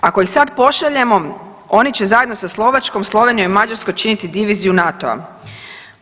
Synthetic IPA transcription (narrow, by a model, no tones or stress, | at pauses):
ako̞ixsad̪po̞ʃaʎe̞mo̞ | o̞nit͡ɕe̞zajed̪no̞saslˠo̞ʋat͡ʃko̞mslˠo̞ʋe̞nijomimad͡ʑaɾsko̞jt͡ʃinit̪id̪iʋiziunat̪oa̰